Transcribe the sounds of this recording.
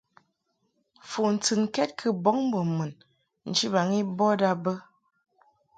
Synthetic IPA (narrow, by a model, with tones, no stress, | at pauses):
fu˨n̩˨tɨ˨n˨kɛ˦t̚kʰɨ˦bɔ˨˦ŋ˦bɔ˨mɨ˨n | n̩˨t͡ʃi˦ba˨ŋi˦bɔ˦da˦bə˦